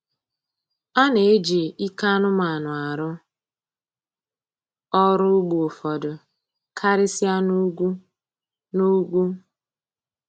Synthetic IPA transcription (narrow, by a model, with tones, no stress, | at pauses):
a˦ne˨e˦d͡ʒi˨i˦ka˦nʊ˦ma˨nʊ˨a˨ɾʊ˦ | ɔ˦ɾʊ˦ɡ͡bu˨o˨fɔ˨dʊ˨ | kʰa˦ɾɪ˦si˦a˦nu˦ɡʷu˦ | nu˦ɡʷu˦